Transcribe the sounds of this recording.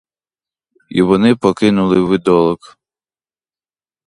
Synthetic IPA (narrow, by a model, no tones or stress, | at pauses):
ḭʋɔnɪpɔkɪnʊlˠɪʋɪd̪ɔlˠɔk